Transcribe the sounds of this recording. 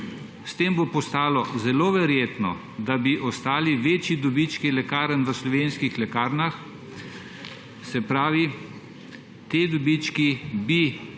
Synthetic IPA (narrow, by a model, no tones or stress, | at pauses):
st̪eːmbopɔst̪aːlɔzɛloːʋɛɾjeːt̪nɔ̰ | d̪abiʔɔst̪aːliʋeːt͡ʃjid̪ɔbit͡ʃkilɛkaːɾənʋəslɔʋeːnskixlɛkaːɾnax | sɛpɾaːʋi | t̪ed̪ɔbit͡ʃkibi